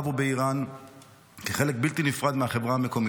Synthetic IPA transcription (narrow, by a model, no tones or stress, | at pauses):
vubeiʁan | keχe̞lek̚bilt̪inifʁad̪meaχe̞vʁahame̞ko̞mi